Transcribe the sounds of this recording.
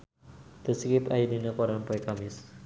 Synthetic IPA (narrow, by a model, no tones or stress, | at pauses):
t̪əskipajidinəkɔɾanpɔjkamɪs